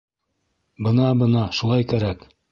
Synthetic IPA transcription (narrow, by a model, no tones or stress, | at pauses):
bɤ̆nɑbɤnɑʃulˠɑjkæɾæk